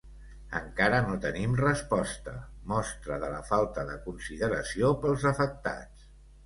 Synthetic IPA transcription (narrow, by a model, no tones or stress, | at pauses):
ə̰ŋkaɾənot̪ənimrəspɔst̪əmɔst̪ɾəðələfalˠt̪əðəkunsiðəɾəsiopəlˠzəfək̚t̪a̰t͡s